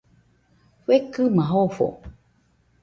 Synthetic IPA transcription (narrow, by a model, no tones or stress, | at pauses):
ɸekɨmaɦofo̰